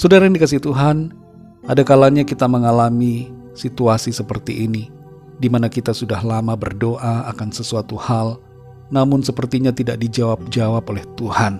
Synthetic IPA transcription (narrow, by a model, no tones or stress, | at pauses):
sodaɾajaŋndikasiht̪uɦan | adakalaɲakit̪aməŋalami | sit̪uasisəpərt̪iʔːni | dimanakit̪asudahlamabərdoʔaakansəsuat̪uhal | namʊnsəpərt̪iɲat̪idaʔ̚did͡ʒawap̚d͡ʒawapolɛht̪uhan